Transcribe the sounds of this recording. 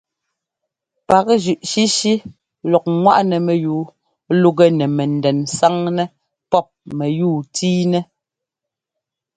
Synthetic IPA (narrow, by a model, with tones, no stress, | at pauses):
pa˨kʒʉ˨ʔʃi˦ʃi˦ | lɔ˨k̚ŋwa˦ʔnɛ˨mɛ˨juː˨˦ | lu˦ɡɛ˦nɛ˨mɛ˨n̩˨dɛ˨nsa˦ŋnɛ˦ | pɔ˦˨p̚mɛ˨juː˦˨tʰiː˦nɛ˦